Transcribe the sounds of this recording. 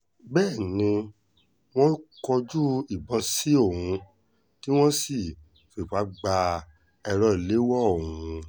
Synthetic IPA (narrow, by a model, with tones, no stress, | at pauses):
bɛː˦˨nĩ˧ | w̃ɔ̃˦kɔ˧d͡ʒu˦i˦˨bɔ̃˨˧si˦o˦˨hũ˧ | ti˦w̃ɔ̃˦si˦˨ | fe˨pa˨˦ɡ͡ba˧ | ɛ˧ɾɔ˧˨i˨le˨˦wɔ˦o˨ũ˧